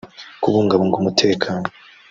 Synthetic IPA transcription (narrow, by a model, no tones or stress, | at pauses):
kuβuːŋɡaβoŋɡomutʰe̞ːkʰaːno